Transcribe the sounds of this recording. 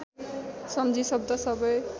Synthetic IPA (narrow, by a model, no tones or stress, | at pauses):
sʌmd͡zʱisʌb̚d̪ʌsʌbʌj